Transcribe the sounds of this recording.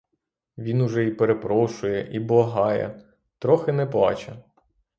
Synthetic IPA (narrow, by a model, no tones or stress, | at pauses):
ʋʲinʊʒɛipeɾepɾɔʃʊjɛʔiblˠɐɦɑjɛ̰ | t̪ɾɔxɪnɛplˠɑ̰t͡ʃɐ